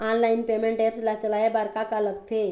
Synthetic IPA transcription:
anlainpemeɳʈɛpslat͡səlajebaɾkakaləkt̪ʰe

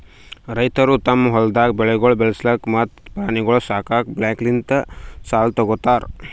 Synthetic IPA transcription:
ɾɐjt̪ɐɾut̪ɐmɦɔld̪ak̚beɭeɡoɭbelslɐkmɐt̪pɾaːniɡoɭosaːkak̚blɛ̃ːklint̪ɐsaːlt̪oɡot̪aːɾ

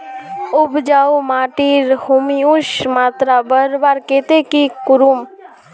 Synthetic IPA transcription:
ʊbd͡ʒaːumaːʈiɾhumiuʃmaːt̪ɾabəɾbaːɾkeːt̪ekikʊɾum

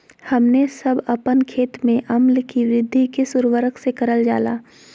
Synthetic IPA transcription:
hɐmnesɐbɐpənkʰeːt̪mẽʔɐmlkiʋɾɪd̪ʱːikesʊɾʋəɾəksekɐɾəld͡ʒaːlaː

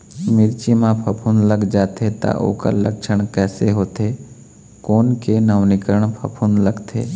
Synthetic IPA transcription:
mɪɾt͡ʃimãpʰɐpʰunləɡd͡ʒaːt̪ʰet̪a̰ʔo̰ːka̰ləkʃʰəɽ̃kɛːseɦoːt̪ʰeː | koːnkenəʋnɪkəɾəɽ̃pʰɐpʰunləɡt̪ʰḛː

